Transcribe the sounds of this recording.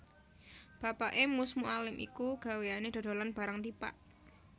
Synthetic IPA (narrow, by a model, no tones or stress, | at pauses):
b̥ä̤paʔemusmuʔalɪmʔḭkuɡ̥a̤weaned̪̥o̤d̪̥o̤lanb̥aɾaŋt̪ipa̰ʔ